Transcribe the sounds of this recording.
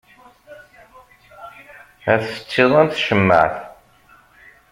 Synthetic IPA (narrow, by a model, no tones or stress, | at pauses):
æθsə̥t͡sːɪðˤænʃəmːə̰ʕθ